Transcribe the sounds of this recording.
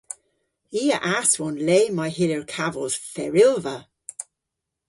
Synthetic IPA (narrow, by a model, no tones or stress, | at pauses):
iːə̰ʔaswɔnleːmajhɪləɹkʰavɔlz̥fɛɹɪlˠvə